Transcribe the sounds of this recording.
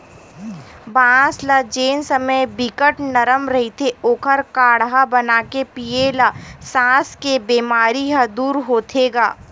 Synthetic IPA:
bãːslɐd͡ʒeːnsəməjbɪkəʈnɐɾəmɾɐɦit̪ʰeoːkʰəɾkaːɽɦabɐnaːkepielasãːskebeːmaːɾiɦɐd̪uːɾɦoːt̪ʰeːɡa̰ː

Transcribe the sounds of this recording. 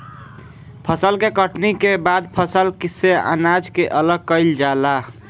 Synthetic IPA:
pʰəsəlkekəʈnikebad̪pʰəsəlkisea̰nad͡ʒkeʔələɡ̚kəɪld͡ʒala

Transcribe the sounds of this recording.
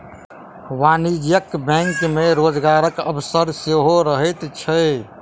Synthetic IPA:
ʋanid͡ʒjəkbɛ̃ŋkmeɾod͡ʒɡaɾəkə̰bsəɾseɦoɾəɦət̪t͡ʃʰə

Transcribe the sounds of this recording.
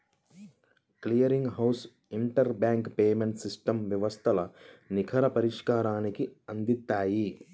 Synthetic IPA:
klijɐɾiŋɡɦɐws | iɳʈɐɾbjaːŋkpeːmeɳʈsisʈɐmʋjɐʋɐst̪ʰɐlɐnikʰɐɾɐpɐɾiʂkaːɾaːnikiɐnd̪it̪ːaːji

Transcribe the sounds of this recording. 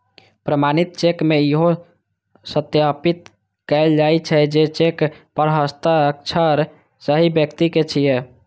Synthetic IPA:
pɾəmanit̪̚t͡ʃekmeiɦo | sət̪japit̪̚ | kəɪld͡ʒajt͡ʃʰɛd͡ʒet͡ʃekpəɾɦəst̪əək̚t͡ʃʰəɾ | səɦibjəkt̪iket͡ʃʰijɛ

